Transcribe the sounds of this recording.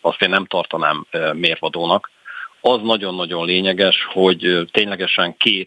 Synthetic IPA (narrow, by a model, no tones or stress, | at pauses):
ɒst̪eːnːɛmt̪ɒrt̪ɒnaːmːeːrvɒd̪oːnɒkɒznɒɟo̞nːɒɟo̞nleːɲɛɡɛʃho̞ɟt̪eːɲlɛɡɛʃɛŋkeːt̪